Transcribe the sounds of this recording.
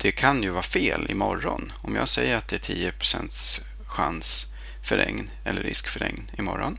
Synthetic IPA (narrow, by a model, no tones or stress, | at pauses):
d̪̥ɛkʰanjɵvɑːfeːlɪmɔɾːɔn | ɔmjɑːɡsɛjːəɾat̪̚d̪ɛæʈʰiːəpʰɾʊsɛnt̪s | ɧans | fœɾɛŋn | ɛ̰lːəɾːɪskfœɾɛ̰ŋnɪmɔɾːɔn